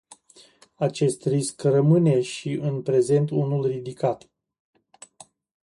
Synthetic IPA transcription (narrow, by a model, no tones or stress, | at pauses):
at͡ʃe̞st̪riskrəmɨne̞ʃiʔɨnpɾe̞ze̞nt̪unulrid̪ikat̪